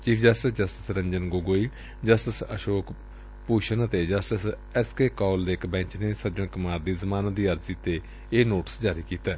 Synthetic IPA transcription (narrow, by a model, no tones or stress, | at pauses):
t͡ʃiːpʰd͡ʒəsʈəsd͡ʒəsʈɪ̥sɾəɲd͡ʒənɡoːɡoːiː | d͡ʒəsʈəsəʃoːk | puːʃənət̪eːd͡ʒəsʈəs | ɛskeːkɔːld̪eːkbɛ̃ːɲt͡ʃneːsəɾd͡ʒəɳkʊmaːɾd̪iːzəmaːnaːd̪iːəɾziːt̪eː | eːnoːʈə̥sd͡ʒaːɾiːkiːt̪aː